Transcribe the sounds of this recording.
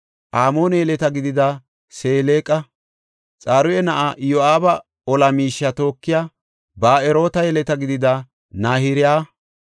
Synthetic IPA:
ʔaːmo̞ːnɛjɛlɛt̪ɐɡɪd̪ɪd̪a | se̞ːleːkʼɐ | t͡sʼaːɾʊjɛnɐʔaʔjoaːbɐ | ɔlɐmiːʃːɐt̪o̞ːkːɪjaː | baːɛɾo̞ːt̪ɐjɛlɛt̪ɐɡɪd̪ɪd̪ɐ | naːhɪɾɪjaː

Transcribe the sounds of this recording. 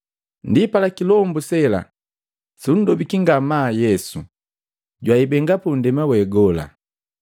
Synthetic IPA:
ndipalakilɔmbusɛla̰ | sun̩dɔbikiŋɡamaːjɛsu | ɟwaibɛŋɡapun̩dɛmawɛɡɔla̰

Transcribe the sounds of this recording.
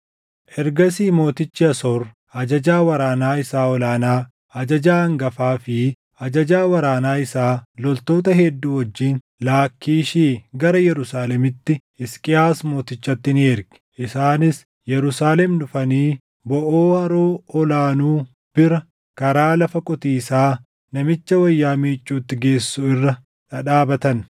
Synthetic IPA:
ʔɛɾɡɐsiːmo̞ːt̪ɪt͡ʃːɪɐsɔr | ɐd͡ʒɐd͡ʒaːwɐɾaːnaːɪsaːɔlaːnaː | ɐd͡ʒɐd͡ʒaːɐŋɡɐfaːfɪ | ɐd͡ʒɐd͡ʒaːwɐɾaːnaːɪsaːlɔlt̪o̞ːt̪ɐɦɛd̪ːuːwɔd͡ʒːiːn | laːkʰːiːʃiːɡɐɾɐjɛɾʊsaːlɛmɪt̪ːɪ | ɪskʼɪaːsmo̞ːt̪ɪt͡ʃːɐt̪ːɪneːɾɡɪ̥ʔɪsaːnɪs | jɛɾʊsaːlɛmnʊfɐniː | bɔʔoːɐɾoːɔlaːnuː | b̥ɪɾɐ | kɐɾaːlɐfɐkʼɔt̪iːsaː | nɐmɪt͡ʃːɐwɐjːaːmiːt͡ʃʼːuːt̪ːɪɡe̞ːsːʊɪrːɐ | ᶑɐᶑaːbɐt̪ɐn

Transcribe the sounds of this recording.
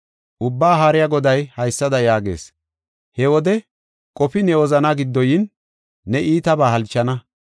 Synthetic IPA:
ʔʊbːaːɦaːɾɪjaɡɔd̪ɐjhɐjsːɐd̪ɐjaːɡḛːs | hɛwɔd̪ɛ | kʼɔpɪnɛwɔzɐnaɡɪd̪ːɔjɪnː | ɛʔiːt̪ɐbaːɦɐlt͡ʃːɐnɐ

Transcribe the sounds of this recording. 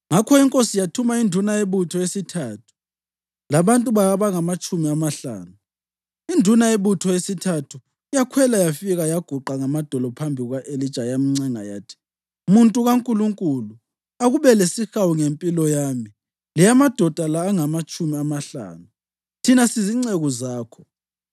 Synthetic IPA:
ŋakʰɔiŋkʼosijatʰumaindʱunaeβutʰɔesitʰaːtʰu̥ | laβantʼuβaaβaŋamat͡ʃʼumiamaɬa̰ːnu | indʱunaeβutʰɔesitʰatʰu | jakʰwɛlajafiɣajaɡ̥ʱuǃaŋamad̥ʱɔlɔpʰambʱiɣwaʔelit͡ʃʼajamiŋ͡ǀɛŋa̰ja̰ːtʰi̥ | muntʼuɣaŋkʼuluŋkʼulu | aɣuβɛlesixawuŋempʼilɔjaːmi | lijamad̥ʱɔd̥ʱalaːŋamat͡ʃʼumiamaɬa̰ːnu | tʰinasiziŋ͡ǀeɣuzaːkʰɔ̥

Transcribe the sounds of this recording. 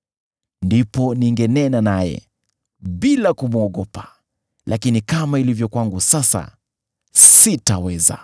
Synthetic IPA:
ndipɔniŋɡɛnɛnanajɛ̰ | ɓilakumuɔɠɔpḁ | lʔakinikamailivjɔkwaŋɡusasa̰ | sitawɛza̰

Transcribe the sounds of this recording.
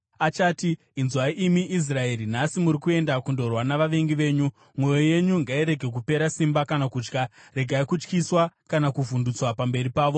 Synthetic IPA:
at͡ʃaːtiː | nzwaʔimiʔːs̬rae̞ɾinasimuɾikue̞ndakundo̞rwanaʋaʋe̞ŋɡiʋe̞ːɲu | mwo̞joje̞ɲuŋɡaiɾe̞ɡʱe̞k̬upe̞ɾasimbakanakuːt͡ʃkare̞ɡʱaikut͡ʃkiswakanakuvundut͡swapambe̞ɾipaːʋo̞

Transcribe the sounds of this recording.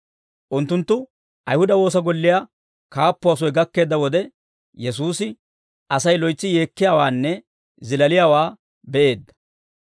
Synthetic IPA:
ʔʊnt̪ːʊnt̪ːʊ | ʔɐjhʊd̪ɐwo̞ːs̬ɐɡɔlːɪja | kaːpːʊɐs̬ɔjɡɐkːe̞ːd̪ːɐwɔd̪ɛ | jɛs̬uːsɪ | ʔɐsɐjlɔjt͡sːɪje̞ːkːɪjaːwaːnːɛ | zɪlɐlɪjaːwaː | bɛʔe̞ːd̪ːɐ̥

